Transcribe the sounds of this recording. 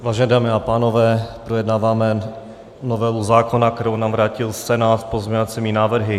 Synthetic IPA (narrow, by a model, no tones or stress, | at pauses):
vaːʒɛnɛdaːmɪapaːno̞vɛːpɾojɛdnaːvaːmɛ | novɛluzaːkonak̚t̪ɛɾownaːmvɾaːcɪlsɛnaːt̪pozmɲɛɲovat͡sɛmiːnaːvr̩ɦɪ